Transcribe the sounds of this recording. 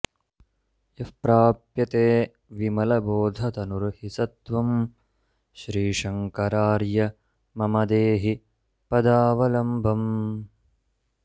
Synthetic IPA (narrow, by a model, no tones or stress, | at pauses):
jɐfpɾaːpjɐt̪eː | ʋimɐlɐboːd̪ʱɐt̪ɐnuɾhisɐt̪ʋɐm | ʃɾiːʂɐŋkɐɾaːɾjɐ | mɐmɐd̪eːɦi | pɐd̪aːʋɐlɐmbʱɐm